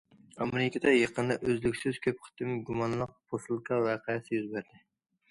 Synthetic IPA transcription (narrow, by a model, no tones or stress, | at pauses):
ɑmɪɾɪkʲed̪ɛjɑqʰənd̪ɑʔøzlykʲsɪz̥kʲʰøp̚χʰɪ̥t̪ɪmɡumɑnlˠəq̚bosɨlˠkʰɑwæqʰɑjɛsɪjyzbæɾd̪ɪ